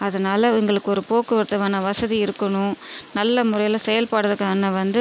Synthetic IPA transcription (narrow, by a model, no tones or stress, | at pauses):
ɐðɐnaːlɐɪŋɡɐɭɯkːɯɔɾɯpoːkɯʋɐɾt̪ːɐʋaːnɐʋɐsɐðiɪɾɯkːɐɳʊ̃nɐlːɐmʊɾrɐjɪlɐsɛjɐlpaːɽɯðɯkːaːnɐʋɐnd̪ɯ